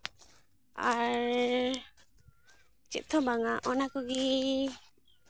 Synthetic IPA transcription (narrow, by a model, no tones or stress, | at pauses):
aɾ | t͡ʃḭt̪ʰːɔbaŋaʔɔnakɔɡi